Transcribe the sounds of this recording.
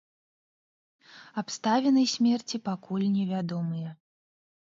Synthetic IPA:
apst̪avʲɛnɐjsʲmʲɛrt͡sʲipakulʲnʲɛvʲad̪ɔmɨjɛ

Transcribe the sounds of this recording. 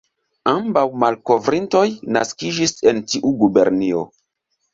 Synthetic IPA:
ambawmalko̞vɾinto̞jna̰skid͡ʒisentiʔuɡubeɾnio̰

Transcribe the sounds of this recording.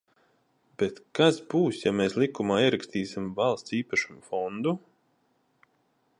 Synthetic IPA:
b̥et̪kasbuːsjameːslˠikumaːiɛɾakst̪iːsimvalˠst̪siːpaʃumfɔnd̪u

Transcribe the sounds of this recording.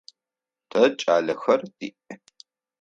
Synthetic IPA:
tʰɐt͡ʃʼaːɮɐxɐrd̥iːʔ

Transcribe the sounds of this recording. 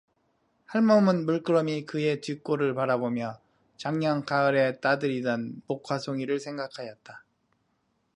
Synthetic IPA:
haɭmʌmɯnmuɭk͈ɯɾʌmikɯe̞t͡ɕik͈oɾɯɭpaɾabomjʌ | t͡ɕaŋɲʌŋkaɯɾe̞t͈adɯɾidʌnmokʰwasʰoŋiɾɯɭsʰe̞ŋɡakʰajʌt̚t͈a

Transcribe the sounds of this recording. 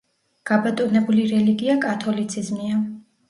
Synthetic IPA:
ɡ̥abat̪ʼɔnɛbuliɾɛliɡiakʼat̪ʰɔlit̪sʰizmia

